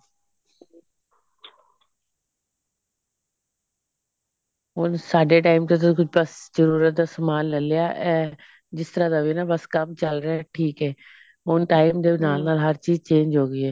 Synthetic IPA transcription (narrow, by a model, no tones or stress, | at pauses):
ɦʊnsaːɖeʈaːɪmt̪et̪̬okʊbəszəɾuːɾət̪̚d̪aːsəmaːlnəlɪjaːʔɛ̃ː | d͡ʒɪst̪əɾad̪ainaːbəskɐmt͡ʃəlɾɪaʈʰiːkɦɛː | ʊnʈaːɪmd̪eːnaːlnaːlɦəɾt͡ʃiːzt͡ʃẽːɲd͡ʒɦoːɡɪiːɛː